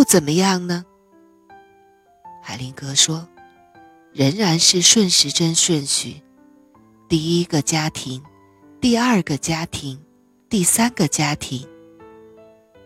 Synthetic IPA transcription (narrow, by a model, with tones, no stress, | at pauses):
jo˥˩ʊt͡sə˨˩nmə˦jɑ˥˩ŋnə˩ | xa˨˧˩ɪli˧˥ŋkɤ˧˥ʂwɔ˥ | ɻə˧˥ŋɻa˧˥nʂɻ̩˥˧ʂwə˥˩nʂɻ̩˧˥ʈ͡ʂə˥nʂwə˥˩nɕy̰˨˩˦ | t̪i˥˩i˥ɡə˧t͡ɕja˥t̪ʰi˧˥ŋ | t̪i˥˧ɐ˞˥˩ɡə˨t͡ɕja˥t̪ʰi˧˥ŋ | t̪i˥˩sa˥nɡə˨t͡ɕja˥t̪ʰi˧˥ŋ